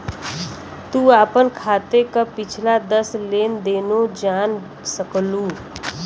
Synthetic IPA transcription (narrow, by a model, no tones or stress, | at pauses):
t̪uːaːpənkʰaːt̪ekapɪt͡ʃʰlad̪əsleːnd̪eːnod͡ʒaːn | səkluː